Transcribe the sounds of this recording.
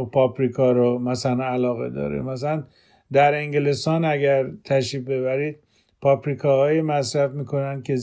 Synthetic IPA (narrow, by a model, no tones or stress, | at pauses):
pʰɒːpɾikʰɒːɾomæsælænælɒːɣḛd̪ɒ̰ːɾḛmæs̬ælæn | d̪æɾeŋɡelest̪ɒːnæɟæɾt̪ʰæʃifbe̞βæɾiːd̪̥̚ | pʰɒːpɾikʰɒːhɒːjimæsɾæfmiːkʰo̞nænd̪̚kʰe̞